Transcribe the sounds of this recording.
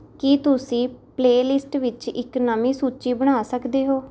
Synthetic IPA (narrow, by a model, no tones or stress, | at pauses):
kɪt̪ʊsĩːpleːlɪsʈʋɪt͡ʃɪ̰knɔːmiːsuːt͡ʃiːbəɽ̃aːsəkd̪eːɦoː